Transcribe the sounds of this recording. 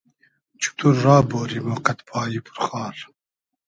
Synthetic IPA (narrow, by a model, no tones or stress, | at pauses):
t͡ʃʰu̥t̪ʰuɾːaːboːɾimɔːqɛt̪pʰɑːjipʰu̥ɾχɑːɾ